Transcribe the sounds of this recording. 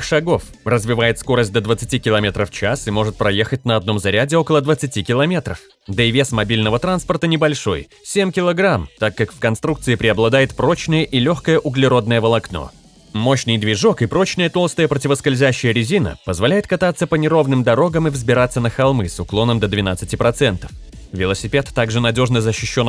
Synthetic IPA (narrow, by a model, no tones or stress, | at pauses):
xʂɐɡo̞f | rəzvʲɪvajɪt̪sko̞ɾəsʲt̚ʲd̪əd̪vət̪sɨtʲikʲɪlˠɐmʲet̪ɾəft͡ɕasɨmo̞ʐɨt̪̚pɾɐje̞xət̚ʲnəɐd̪no̞mzɐɾʲædʲɪo̞kəlˠəd̪vət̪sɨtʲikʲɪlˠɐmʲe̞t̪ɾəf | d̪əɪvʲe̞smɐbʲilʲnəvət̪ɾanspərt̪ənʲɪbɐlʲʂo̞̰j | sʲemʲkʲɪlˠɐɡɾamt̪akːakfkɐnst̪ɾuk̚t̪sɨɪpɾʲɪɐblˠɐd̪ajɪt̪pɾo̞t͡ɕnɨjəʔilʲoxkəjəʔʊɡlʲɪɾo̞d̪nəjəvəlˠɐkno̰ | mo̞ɕnɨjd̪vʲɪʐo̞kɨpɾo̞t͡ɕnəjət̪o̞lˠst̪əjəpɾətʲɪvəskɐlʲzʲæɕːɪjəɾʲɪzʲinə̰pəzvɐlʲæjɪt̪kɐt̪at̪sːəpənʲɪɾo̞vnɨmd̪ɐɾo̞ɡəmɨvzbʲɪɾat̪sːənəxɐlˠmɨsʊklˠo̞nəmd̪əd̪vʲɪnat̪sɨtʲipɾɐt̪sɛnt̪ə̥f | vʲɪlˠəsʲɪpʲe̞t̪ːaɡʐɨnɐdʲo̞ʐnəzəɕːɪɕːon